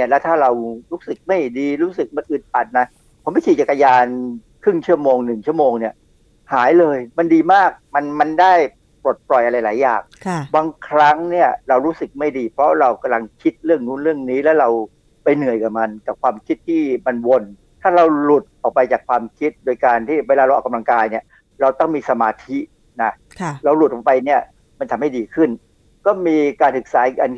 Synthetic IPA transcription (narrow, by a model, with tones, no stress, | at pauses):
i˥˩əlɛ˦˥wt̪ʰaː˥˩ɾa˧wɾuː˦˥sɯ˨˩k̚ma˥˩jdiː˧ɾuː˦˥sɯ˨˩k̚ma˧nʔɯ˨˩t̪̚pa˨˩t̪̚na˦˥ | pʰːma˥˩kʰiː˨˩t͡ɕa˨˩kːa˧jaː˧nkʰɾɯ˥˩ŋt͡ɕʰu˥˩əmoː˧ŋnɯ˨˩ŋt͡ɕʰu˥˩əmoː˧ŋni˥˩ɐ | haː˩˦jlɤː˧jma˧ndiː˧maː˥˩k̚ma˧nma˧ndaː˥˩j | pɾo˨˩t̪̚plɔ˨˩jʔa˧ɾa˧jlaː˩˦jaː˨˩ŋʰ˩baː˧ŋkʰɾa˦˥ŋni˥˩ɐɾa˧wɾuː˦˥sɯ˨˩k̚ma˥˩jdiː˧pʰɾɔ˦˥ɾa˧wka˧mla˧ŋkʰi˦˥t̪̚ɾɯ˥˩əŋnuː˧˦˥nɾɯ˥˩əŋniː˦˥lɛː˦˥ɾa˧w | pa˧jnɯ˨˩əjkaː˨˩ma˧nkaː˨˩kʰwaː˧mkʰi˦˥t̪ʰːiː˥˩ma˧nwo˧n | t̪ʰaː˥˩ɾa˧wlu˨˩t̪̚ʔɔː˨˩k̚pa˧jt͡ɕaː˨˩k̚ʰwaː˧mkʰi˦˥t̪̚doː˧jkaː˧nt̪ʰiː˥˩weː˧laː˧ɾwʔa˨˩ka˧mla˧ŋkaː˧jni˥˩ə | ɾa˧wt̪ɔ˥˩ŋmiː˧sa˧maː˧t̪ʰi˦˥ | na˦˥˩ɾa˧wlu˨˩t̪̚ːɔː˨˩pa˧jni˥˩ɐ | ma˧nt̪ʰa˧mha˥˩diː˧kʰɯ˥˩n | kɔː˥˩miː˧kaː˧nsɯ˨˩k̚saː˩˦ka˧n